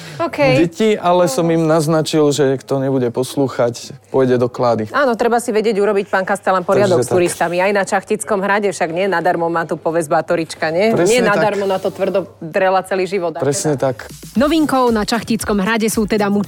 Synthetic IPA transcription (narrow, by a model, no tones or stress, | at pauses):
ɔkɛɟɛciʔalɛsɔmimnaznat͡ʃilʒɛɲɛkt̪ɔɲɛbuɟɛpɔsluːxacpɔjɟɛd̪ɔklaːd̪iʔaːnɔt̪ɾɛbasiʋɛɟɪɛɟuɾɔbic̚paːŋkast̪ɛlanpɔɾɪad̪ɔkstuɾist̪amiajnat͡ʃaxcit͡skɔmɦɾaɟɛfʃaɡɲɪɛnad̪aɾmɔmaːt̪upɔʋɛzbaat̪ɔɾit͡ʃkaɲɛɾɛɲɪɛnad̪aɾmɔnat̪ɔt̪ʋr̩d̪ɔd̪ɾɛlat͡sɛliːʒiʋɔd̪pɾɛsɲɛt̪aknɔʋiŋkɔʊnat͡ʃaxcit͡skɔmɦɾaɟɛsuːt̪ɛd̪amu